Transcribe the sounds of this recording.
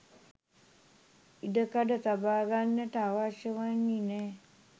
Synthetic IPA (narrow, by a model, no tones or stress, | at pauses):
iɖəkaɖət̪abaːɡanːəʈəaʋaʃjəʋanːinɛː